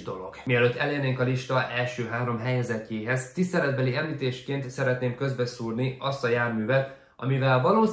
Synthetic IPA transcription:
d̪o̞̰lo̞̰ɡ̥miɛløːt̪ːɛlerneːŋkɒliʃt̪ɒʔɛlʃøːɦaːɾo̞mɦɛjɛzɛcːeːɦɛzt̪ist̪ɛlɛd̪̚bɛliɛmliːt̪eːʃkeːnt̪sɛɾɛt̪neːmkø̞zbɛsuːrniɒst̪ɒjaːrmyːvɛt̪ | ʔɒ̰mivɛlvɒloː

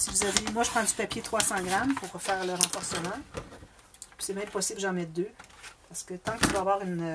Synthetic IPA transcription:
sivuzavemwaʒəpχɑ̃d̪ypapʲjet̪χʁwasɑ̃ɡʁampuʁfɛːʁləʁɑ̃fɔʁsəmɑ̃ | psɛmɛ̃mpɔsɪblʒɑ̃mɛt̪̚d̪øpaʁsə̥kət̪ɑ̃kəd̪wavwaːʁyn

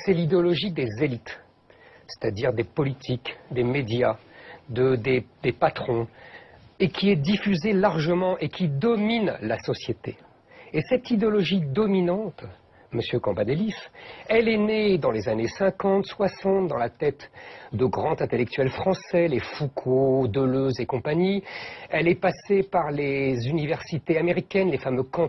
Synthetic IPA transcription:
sɛlid̪eɔlɔʒid̪ezelit̪ | se̥t̪ad̪iʁd̪epɔlit̪ʰikd̪emed̪jad̪əd̪ed̪epat̪χɔ̃ | ekʲʰiɛd̪ifyzelaʁʒəmɑ̃ʔekʲid̪ɔminlasɔsjet̪e | esɛt̪id̪eɔlɔʒid̪ɔminɑ̃t̪ | məsjøkɑ̃bad̪elisɛlɛned̪ɑ̃lezanesɛ̃kɑ̃t̪swasɑ̃t̪̚d̪ɑ̃lat̪ɛt̪d̪əɡʁɑ̃t̪ɛ̃t̪elɛk̚t̪ɥɛlfχɑ̃sɛlefukʰod̪əløzekɔ̃paɲiɛlɛpasepaʁlezynivɛʁsit̪eameʁikʲɛnlefamøkɑ̃

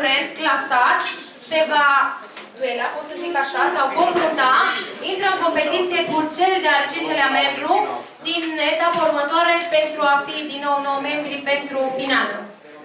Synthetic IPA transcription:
ɾenklasat̪ | se̞vad̪uelakosəzikaʃasawvomplunt̪aint̪ɾəəŋko̞mpe̞t̪it̪sije̞kut͡ʃeled̪ealt͡ʃint͡ʃeleamembɾu | d̪inet̪apeurmət̪oaɾepe̞nt̪ɾuafid̪inːo̞wnowme̞mbɾipe̞nt̪ɾufinalə

